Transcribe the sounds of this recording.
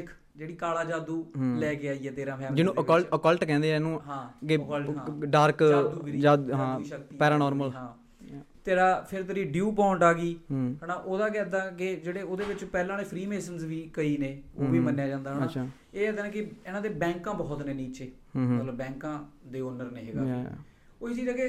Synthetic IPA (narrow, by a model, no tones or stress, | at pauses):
ɪkʰ | d͡ʒeːɽiːkaːlaːd͡ʒaːd̪uːlɛːkeːaːiːɛːt̪eːɾãːmɛːd͡ʒɪnũːʔəəəkəlʈkɛ̃ːnd̪eːɛnũːɦãːkɪkːlɦãːɖaːɾk̪ːuːɾid͡ʒaːɦãːiːʃəkt̪iːpɛːɾaːnɔːɾməlɦãː | t̪eːɽaːpʰɪɾt̪əɾiːɖjuːpɔ̃ːɳʈaːɡiːɦɦənãːʔoːd̪aːkɛːd̪aːkɪd͡ʒeːɽeːoːd̪eːʋɪt͡ʃpɛːlãːneːpʰɾiːmeːsənzʋiːkəiːneːoːʋiːmənːjaːd͡ʒãːnd̪aːnaːt͡ʃː | eːɛːd̪aːnẽːkɪeːnãːd̪eːbɛ̃ːŋkãːbɔːt̪neːniːt͡ʃeː | mət̪ləbːɛ̃ːŋkãːd̪eːɔːnəɾnẽːɦeːɡaː | oːɪd͡ʒiːd͡ʒaːkeː